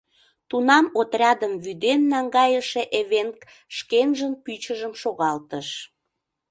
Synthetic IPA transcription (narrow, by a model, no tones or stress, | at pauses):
t̪unɑmot̪rʲɑd̪əmβyd̪enːɑŋɡɑjəʃeʔeβenk | ʃkenʒənpyt͡ɕəʒəmʃoɣɑlt̪əʃ